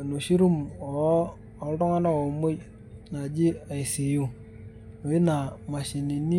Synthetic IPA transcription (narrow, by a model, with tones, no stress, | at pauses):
no˨ʃi˦ɾu˦mɔː˨˦˨ | ldɔ˦ŋa˦na˦o˨mo˦j | na˨d͡ʒi˦a˨i˨si˨jo˦ | no˨i˦na˨ma˨ʃi˨ni˨ni˦